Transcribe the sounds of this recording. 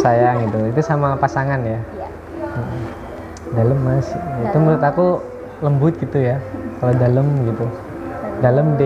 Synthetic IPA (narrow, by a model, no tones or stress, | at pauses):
sajaɡit̪uit̪usamapasaŋanja | m̩ʔ | daləmːasit̪umbəɾut̪aku | ləmbʊt̪̚ɡit̪ujakaladaləmɡit̪u | daləmde